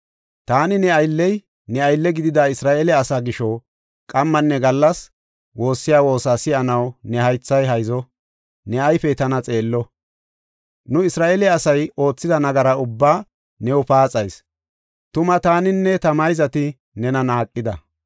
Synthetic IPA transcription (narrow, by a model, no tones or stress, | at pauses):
t̪aːnɪnɛɐjlːɛj | nɛɐjlːɛɡɪd̪ɪd̪aːɪsɾaːʔeːlɛɐsaːɡɪʃɔ | kʼɐmːɐnːɛɡɐlːɐs | wo̞ːsːɪjaːwo̞ːsaːsɪɐnɐwnɛhɐjt͡sːɐjɦɐjzɔ | nɛɐjfɛt̪ɐnɐt͡sʼe̞ːlːɔ | nʊɪsɾaːʔeːlɛɐsɐjo̞ːt͡sːɪd̪ɐnɐɡɐɾɐʊbːaː | nɛwʊpaːt͡sʼɐjs | t̪ʊmɐt̪aːnɪnːɛt̪ɐmɐjzɐt̪ɪ | nɛnɐnaːkʼːɪd̪ɐ